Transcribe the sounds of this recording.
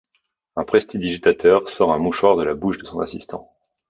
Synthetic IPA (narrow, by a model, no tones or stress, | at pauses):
ɛ̃pχɛst̪id̪iʒit̪at̪ʰœʁsɔʁɛ̃muʃwaʁd̪əlabuʃd̪əsɔ̃nasist̪ɑ̰̃